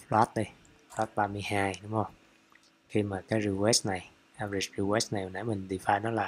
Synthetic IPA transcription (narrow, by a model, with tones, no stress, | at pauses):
lwaː˦˥t̪̚ɗi˧ | swaː˦˥t̚ɓaː˧mɨ˧əjɦaː˧jɗʊ˨˦ŋ͡mhə˧wŋ͡m | xi˧maː˨˩kaː˨˦jzi˧wɛ˦˥st̚na˨˩j | ʔa˧ɾi˧˩sɹi˧wɛ˦˥stna˨˩jna̰˨˦mï˨˩ŋ̟ɗi˨˩faː˧jnɔ˨˦laː˨˩